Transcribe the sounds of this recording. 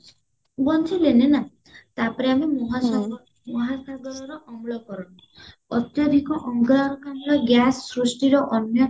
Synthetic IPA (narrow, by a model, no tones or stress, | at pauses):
bɔnt͡ʃʰilenena | t̪apɔɾeamemɔɦa | mɔɦasaɡɔɾɔɾɔʔɔmuɭɔkɔɾɔni | ɔt̪jɔd̪ʱikɔʔɔŋɡɔɭaɾɔkamɔlɔɡjasːɾusʈiɾɔʔɔnjɔ